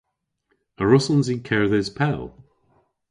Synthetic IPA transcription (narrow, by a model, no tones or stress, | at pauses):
əɹʊsə̃nzikʰɛɹðɪz̥pʰɛlˠ